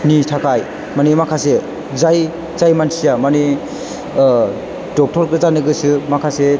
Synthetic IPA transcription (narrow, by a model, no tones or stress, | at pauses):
nitʰakʰaj | manimakʰase | zaj | zajmansijamani | dɔk̚tʰɔɾkɯzanɯɡɯsɯmakʰase